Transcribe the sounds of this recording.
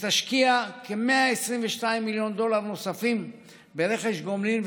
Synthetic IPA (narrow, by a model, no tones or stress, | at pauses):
t̪aʃkiakeme̞aesʁiɱveʃtaimːiljo̞nd̪o̞laʁno̞safim | beʁe̞χeʃɡomlin